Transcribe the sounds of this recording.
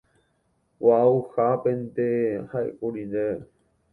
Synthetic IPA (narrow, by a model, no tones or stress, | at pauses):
wauhapẽnt̪ehaḛkuɾiɾe